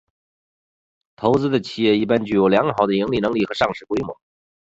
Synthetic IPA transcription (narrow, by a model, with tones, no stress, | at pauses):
t̪ʰo˧˥ʊt͡sɹ̩˥d̪ə˨t͡ɕʰi˨˩jɛ˥˩i˥˩pa˥nt͡ɕy˥˩jo˧ʊljɑ˧˥ŋxɑ˨˩ʊd̪ə˧i˧˥ŋli˥˩nɤ˧˥ŋli˥˩xɤ˧˥ʂɑ˥˩ŋʂɻ̩˥˩kwe˥ɪmwɔ̰˧˥